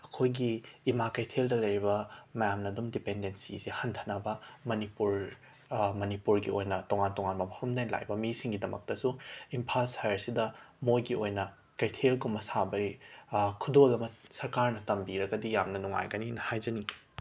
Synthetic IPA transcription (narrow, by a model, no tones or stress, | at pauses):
ɐkʰojɡiːmakɐjtʰeldɐlɐjɾibɐmɐjamnɐdumdipendensizihɐntʰɐ̥nɐbɐmɐnipuɾ | mɐnipuɾɡiojnɐtoŋantoŋanbɐmʰaɾɐmdajla̰jbɐmisiŋɡidɐmɐ̰k̚tɐsuimpʰalsajɐɾsidɐmojɡiojnɐ | kɐjtʰelɡumɐsabɐ | kʰudolɐmɐsɐɾkaɾnɐtɐmbiɾɐɡɐdijamnɐnuŋa̰jɡɐninɐhajzɐni